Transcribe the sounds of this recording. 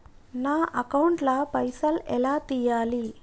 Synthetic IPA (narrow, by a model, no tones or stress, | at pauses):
naːʔɐkɐwɳʈlɐpɐjsɐlɛ̰laːt̪iːjaːli